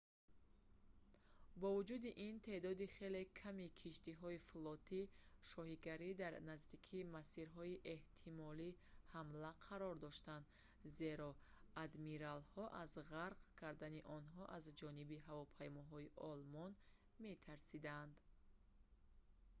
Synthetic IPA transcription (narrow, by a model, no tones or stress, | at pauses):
bɔvud͡ʒud̪iʔint̪ʰe̞d̪ɔd̪iχe̞le̞kʰamikʰiʃt̪iɦɔiflɔt̪ʰiʃɔhiɡaɾid̪aɾnazd̪ikʰimasiɾɦɔiʔe̞ht̪ʰimɔlihamlaqʰaɾɔɾd̪ɔʃt̪and̪ | ze̞ɾɔad̪miɾalhɔʔazʁaɾqkʰaɾd̪aniʔɔnɦɔʔazd͡ʒɔnibiɦavɔpʰajmɔɦɔiʔɔlmɔn | me̞t̪ʰaɾsid̪and̪